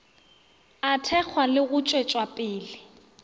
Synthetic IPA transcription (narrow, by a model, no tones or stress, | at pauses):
atʰɛk͡xʰwalɪɣʊt͡ʃʼwet͡ʃʼwapʼɪːlɪ